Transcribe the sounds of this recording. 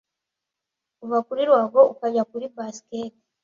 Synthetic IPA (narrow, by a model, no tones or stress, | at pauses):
uβakuɾiɾwaːβo̞ukaɟakuɾibasi̥keti